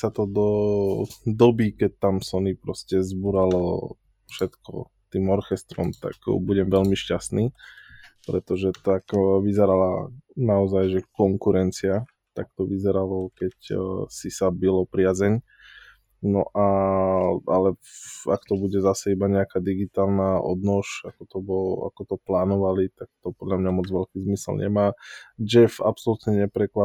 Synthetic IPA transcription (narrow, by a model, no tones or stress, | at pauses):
sat̪ɔd̪ɔ | d̪ɔbikɛc̚t̪amsɔnipɾɔscɛzbuɾalɔ | fʃɛt̪kɔ̰ | t̪iːmɔɾxɛst̪ɾɔ̰mt̪a̰ɡbuɟɛmʋɛʎmiʃcasniː | pɾɛt̪ɔʒɛt̪akʋizɛɾala̰naɔzajʒɛkɔŋkuɾɛnt͡sia | t̪ak̚t̪ɔʋizɛɾalɔkɛcsisabilɔpɾɪazɛɲ | nɔʔa | alɛa̰kt̪ɔbuɟɛzasɛibaɲɛakad̪iɡit̪aːlnaʔɔ̰d̪nɔʃakɔt̪ɔbɔa̰kɔt̪ɔplaːnɔʋalit̪ak̚t̪ɔpɔd̪ʎamɲamɔd͡zʋɛlkiːzmislɲɛ̰maːd͡ʒɛfa̰psɔlut̪ɲɛɲɛpɾɛkla